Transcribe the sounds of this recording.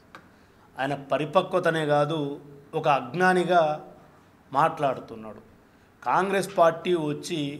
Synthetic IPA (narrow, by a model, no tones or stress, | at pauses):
aːjɐnɐpɐɾipɐkʋɐt̪ɐne̞ːɡaːd̪uɔkɐːɡnaːniɡaː | maːʈlaːɽut̪unːaːɽu | kaːŋɡɾe̞ːspaːɾʈiːʋɐt͡ʃːi